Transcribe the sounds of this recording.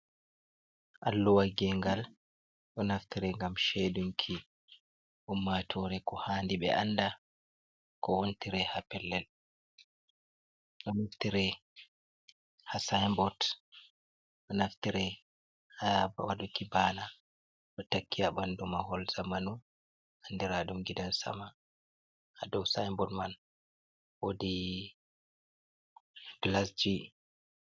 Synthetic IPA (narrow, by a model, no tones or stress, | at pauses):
ʔalːuwaɡɛŋɡal | ɗɔnaftiɾɛŋɡamʃeduŋkʰi | ʔumːatʰɔɾɛkɔhaːndiɓɛ̰ʔa̰nda | kɔwontiɾɛhapɛlːɛl | ɗɔnaftiɾɛ | hasajmbɔt | ɔnaftiɾɛ | habawadukibana | ɗɔtakʰːiabandumahɔlz̥amanu | ʔandiɾadumɡidansa̰ma | hadɔwsajmbɔtman | wodi | ɡlasd͡ʒi